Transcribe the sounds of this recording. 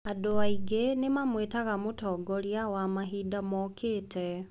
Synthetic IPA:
adoaiɡenemamwetaɣamotɔːɡɔɾjawamaɦiːdamɔkʰeːtʰɛ

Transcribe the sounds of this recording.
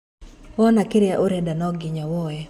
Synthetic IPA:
wɔnakɪɾɪaʔoɾɛdanɔɡɪɲɔwɔɛ

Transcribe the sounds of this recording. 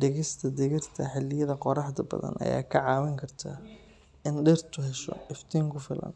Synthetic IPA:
dɛɣɪst̪ʰɐd̪ɛɣɪrt̪ʰɐħɪlɪjɐðɐqɔɾɑħd̪ɐbɐ̰ðɐ̰nʔɐ̰ja̰ːkʰɐʕɑːwɪŋkʰɐrt̪ʰa̰ː | ɪnɖɪrt̪ʰʊɦɛʃɔ̰ɪft̪ʰiːŋkʰʊfɪlɐ̰n

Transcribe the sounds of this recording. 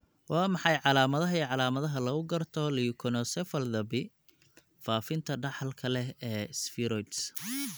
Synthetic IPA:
wɑːmɑħɑjʕɑlaːmɐðɐɦɐiʕɑlaːmɐðɐɦɐlɐɣʊɡɐrt̪ʰɔlikʰɔnɔsɛfɐld̪ɐbɪ | faːfɪnt̪ʰɐɖɑħlkʰɐlɛɛːsfɪɾɔjt̪s

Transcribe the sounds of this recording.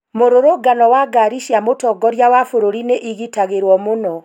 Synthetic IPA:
moɾoɾoɡanɔwaɡaɾiʃjamotɔɡɔɾjawafoɾoɾineʔiɣitaɣeɾwɔmonɔ

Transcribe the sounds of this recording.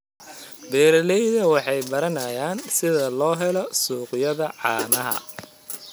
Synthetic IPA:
bɛːɾɐlɛjðɐwɑħɑjbɐɾɐnɐjaːnsɪðɐlɔːɦɛlɔsuːqjɐðɐʕɑːnɐɦɐ̰

